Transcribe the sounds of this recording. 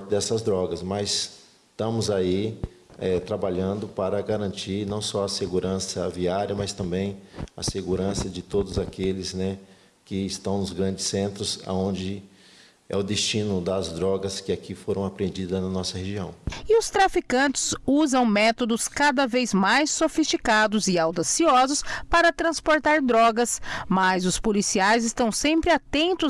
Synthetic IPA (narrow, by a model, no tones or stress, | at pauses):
d̪ɛsɐzd̪ɾɔɡɐsmɐjs | t̪ɐ̃mʊzai | ɛt̪ɾabaʎɐ̃nd̪ʊpaɾɐɡaɾɐ̃nt͡ʃiɾnɐ̃w̃sɔɐseɡuɾɐ̃sɐviaɾjɐmɐst̪ɐ̃mbẽj̃ɐ̰seɡuɾɐ̃sɐd͡ʒɪt̪od̪ʊzakelɪsnɛ | kɪːst̪ɐ̃w̃nʊzɡɾɐ̃nd͡ʒɪsẽnt̪ɾʊza̰õnd͡ʒɪ | ɛ̰ʊd̪est͡ʃĩnʊd̪ɐzd̪ɾɔɡɐskɪakifoɾɐ̃w̃apɾẽnd͡ʒid̪ɐznɐnɔsɐheʒiɐ̃w̃ɪʊst̪ɾafikɐ̃nt͡ʃɪ̥zuzɐ̃w̃mɛt̪od̪ʊskad̪ɐvejzmajsːofist͡ʃikad̪ʊzɪawd̪asiɔzʊspaɾɐt̪ɾɐ̃spoɾt̪aɾd̪ɾɔɡɐsmɐzʊspolisiajzɪst̪ɐ̃w̃sẽmpɾɪat̪ẽnt̪ʊ